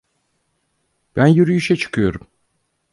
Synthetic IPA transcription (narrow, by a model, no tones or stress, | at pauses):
b̥ænjyɾyjyʃɛt͡ʃʰɯ̥kʰɯjo̞ɾum